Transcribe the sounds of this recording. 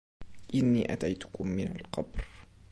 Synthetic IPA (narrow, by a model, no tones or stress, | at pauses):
ʔɪnːiːʔat̪ajt̪ʊ̥kʊmːɪnalqɑbɾ